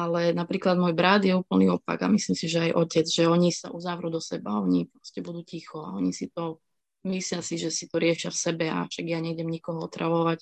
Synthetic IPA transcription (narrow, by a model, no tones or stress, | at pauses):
alɛnapɾiːklad̪mɔjbɾad̪jɛuːpl̩niɔpa̰ɡa̰mislimsiʒɛajʔɔcɛd͡zʒɛɔɲisa̰ʔuzaʋɾud̪ɔsɛbaɔɲipɾɔscɛbud̪uːcixɔaɔɲisit̪ɔ | mislɪasiʒɛsit̪ɔɾɪɛʃɪafsɛbɛa̰ʃaɡjaɲɛɡɟɛmɲikɔɦɔɔt̪ɾʔa̰ʋɔʋac